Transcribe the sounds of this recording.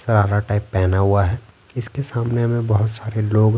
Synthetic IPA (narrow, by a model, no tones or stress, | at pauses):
sɐɾaːɾaʈaːɪpːɛɦnaɦuaɦɛː | ɪskesaːmneɦɐmẽbɐɦʊt̪saːɾeloːɡ